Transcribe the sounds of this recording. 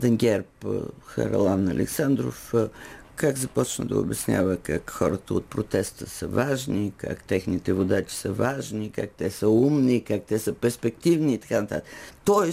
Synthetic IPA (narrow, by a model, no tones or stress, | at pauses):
d̪ɐŋɡʲɛɾpxɐ̰ɾ̰lˠanɐlʔɛ̰ksand̪ɾo̰f | kaɡzɐpɔt͡ʃnə̰d̪ɐ̰o̰bɛsnʲa̰vəkakxɔ̰ɾət̪əot̪̚pɾot̪ɛst̪əsə̰vaʒnika̰kt̪ɛxnit̪ɛvod̪at͡ʃi̥səvaʒnika̰k̚t̪ɛsəumnikak̚t̪ɛsəpɛɾspɛkt̪ivniːt̪ɐ̥kanət̪a̰t̪əkt̪ɔɛ